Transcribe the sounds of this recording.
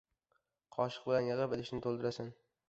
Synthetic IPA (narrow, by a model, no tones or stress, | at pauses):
qʰɒʃɨ̥q̚bɪlanjɨʁɨpelɪʃnɪt̪ʰolˠd̪ɪɾasɪn